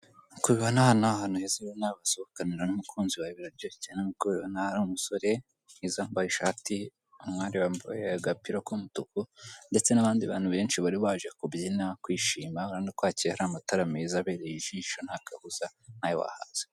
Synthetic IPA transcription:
kuβiβanahanoaɦanuhezejonaβasoβokaniɾanumukʰuːnziwajiβiɾaɾɟoːicenamukoβo̰nahaɾumuso̞ɾe̞ | izambajiʃati | umŋaːɾiwambaaɡapiɾokomutukunde̞t͡se̞naβaːndiβa̰ːn̥huβe̞ːnʃiβaɾiβaːʒekubjinakwiːʃiːmaoɾandikwaːciɾehaɾaːmataɾamezaβeːɾejiʒiːʃon̥hakahuzan̥hajowa̰ha̰z̥e

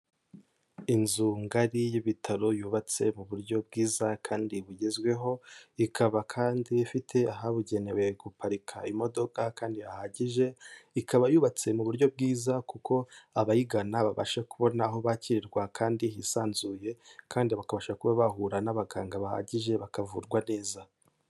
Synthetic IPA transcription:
inzuŋɡaɾijiβitʰaɾo̞juːβat͡se̞muβuɾɟo̞b̚ɡiːzakʰaːndiβuɟe̞zɡwe̞ɦo̞ikʰaβakʰaːndiːfitʰe̞aɦaβuɟe̞newe̞ɡupaɾikʰaimo̞do̞kakaːndihahaɟiʒe̞ikaβajuːβat͡se̞muβuɾɟo̞bɡiːzakuko̞aβajiɡanaβaβa̰ʃakuβo̞naːɦo̞βaciɾiɾɡwakʰaːndiɦisaːnzuje̞kaːndiβakaβaʃakuβaβahuɾanaβaɡaːŋɡaβaha̰ɟiʒe̞βakavuɾɡwane̞ːza

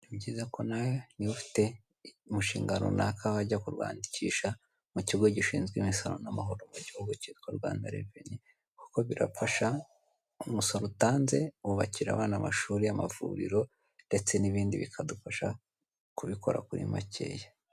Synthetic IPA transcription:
ibɟiːzako̞najoniufi̥te̞ | muʃiːŋɡano̰nakʰaβaɟakuɾwa̰ːndiciːʃa | muciɡo̞ɟiʃiːnzɡwiːmisaɾo̰namaɦo̞ɾomuɟihoɡucitkoɾɡwa̰ːndaɾeveɲi | ku̥ko̞βiɾa̰faʃa | umusoɾotaːnze̞uβaciɾa̰βaːnamaʃuːɾijama̰vṵːɾḭɾo̞ | nde̞t͡se̞niβiːndiβikʰadufaʃa | kuβiko̞ɾa̰kuɾḭma̰cʰe̞̰ːja

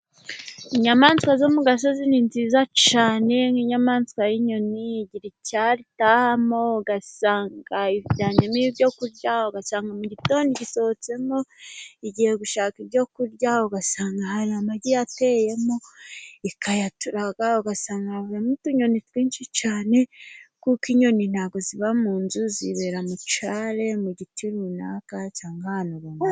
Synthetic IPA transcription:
iɲamaːnskwazomuɡas̬ozininziːzat͡ʃaːne̞ŋiːɲamaːnzkwajiɲoniːɟiɾicaɾitahamoɡasaːŋɡaiβiɟaɲomibjo̞kuɾɟauɡasaːŋɡamuɟito̞ːndiɟiso̞ot͡se̞mo̞iɟihe̞ɡuʃaːkibɟo̞kuɾɟauɡasaːŋɡahaɾiamaɟijate̞je̞mo̞ikajatuɾaɡaoɡasaːŋɡaβuɾamutuɲo̞nitwiːnʃit͡ʃaːne̞kukiɲo̞nin̥haɡo̞ziβamuːnzuziβe̞ɾamut͡ʃaːɾe̞muɟitʰiɾunakat͡ʃaːŋɡahanuɾama

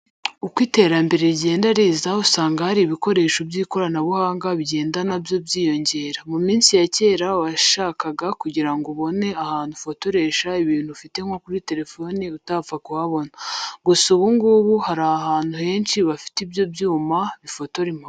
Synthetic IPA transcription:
ukwiːte̞ːɾambe̞ɾe̞ɾɟe̞ːndaɾeːzausaːŋɡahaɾiβiko̞ɾe̞ːʃobjiːko̞ɾanaβuhaːŋɡaβiɟe̞ːndanabjo̞bɟiːjo̞ɲɟe̞ːɾamumiːnsijace̞ːɾawaʃaːkaɡakuɟiɾaŋɡoβo̞ne̞ahaːn̥hufo̞to̞ɾe̞ːʃaiβiːn̥hufite̞ŋo̞kuɾite̞ɾe̞fo̞niutavakuhaβo̞naɡusuβuŋɡuːβuhaɾahaːn̥huhe̞ːnʃiβafi̥tibjo̞bjuːmaβifo̞to̞ɾimha

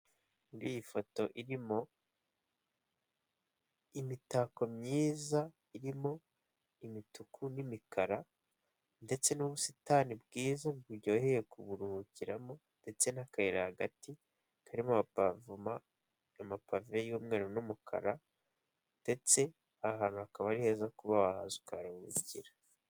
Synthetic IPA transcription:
ɡijifo̞to̞ʔiɾimo̞ | imitako̞mɲiːza | iɾimo̞ | imitukʰunimikʰaɾa | nde̞t͡se̞nuβusitaːnibɡiːzaɡuɟo̞ːhejekuβuɾuhuciɾamo̞ | nde̞t͡se̞nakaiɾahaɡati | kʰaɾimoavua | amapavejuːmŋe̞ːɾonumukʰa̰ɾa | nde̞t͡se̞ | ahaːnuakaβaɾihe̞ːzakuβaβaha̰zukaɾauɾuɟiɾa

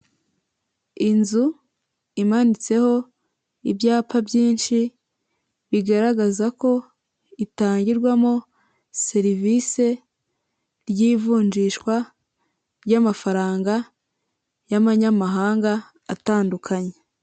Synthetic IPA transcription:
inzu | imanit͡se̞ho̞ | ibjaːpabɟiːnʃi | βiɡaɾaɡazako̞ | itaːɲɟiɾɡwamo | se̞ɾivise̞ | ɾjiːvuːɲd͡ʒiʃkwa | ɾjamafaɾaːŋɡa | jamaɲamaɦaːŋɡaː | taːndukʰaɲe

